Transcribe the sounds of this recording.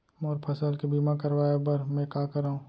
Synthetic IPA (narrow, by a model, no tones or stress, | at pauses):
mɔːɾpʰɐsəlkibiːmakɐɾwaːebɐɾmɛ̃kaːkɐɾaːũː